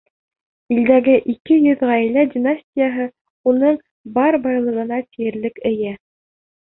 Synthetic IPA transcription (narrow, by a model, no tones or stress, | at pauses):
ild̪æɡɘʔikɘjɵðʁæj̆lædʲɪnasʲtʲɪjaɦɤ | unɤɴ | bɑɾbɑjlˠɤ̆ʁɤ̆nɑt̪ijɘ̆ɾlɘkɘ̆jæ